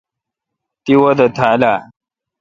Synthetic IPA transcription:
t̪iwɔd̪ət̪ʰala

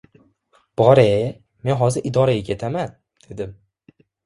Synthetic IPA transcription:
b̥ɒɾe | me̞nɦɒzɪɾʔɪd̪ɒɾajʲekʲʰe̞t̪ʰaman | d̪̥e̞d̪ɪm

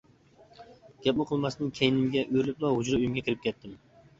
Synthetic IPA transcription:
ɡ̥ʲɛp̚mɪqʰəlˠmɑsd̪ɨnkʲʰejnɪmɡʲɛʔøɾlɪp̚lˠɑhʊd͡ʒɾɨyjymɡʲɛkʲiɾɪp̚kʲɛt̪ʰːɪm

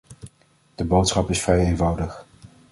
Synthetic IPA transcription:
d̥əbowtsχɑpɪsfrɛjejnvʌwdəχ

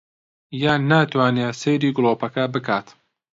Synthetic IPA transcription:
jaːnːaːt̪waːneesejɾiːɡʊlˠoːpɐkɐbɨkʰaːt̪

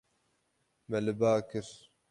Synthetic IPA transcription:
mɛlɨbaːkɨɾ

